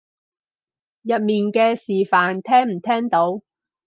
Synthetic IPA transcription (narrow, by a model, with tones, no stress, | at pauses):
jɐ˨t̚miː˨nkɛː˧siː˨˩faː˨nt̪ʰɛː˥ŋm̩˨˩t̪ʰɛː˥ŋt̪o˨˧˥w